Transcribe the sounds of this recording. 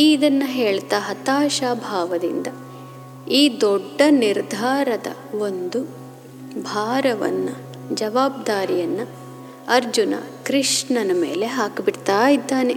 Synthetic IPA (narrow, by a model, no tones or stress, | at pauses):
iːd̪ɐnːɐɦeːɭt̪aːɦɐt̪aːʃaːbʱaːʋɐd̪ḭnd̪ɐ | iːd̪ɔɖːɐniɾd̪ʱaːɾɐd̪ɐ̰ | o̞nd̪u | bʱaːɾɐʋɐ̰nːɐ | d͡ʒɐʋaːb̚d̪aːɾijɐnːu | ɐɾd͡ʒunɐ̰kɾiʂɳɐnɐme̞̰ːle̞ɦaːkbiɽt̪aːjid̪ːaːne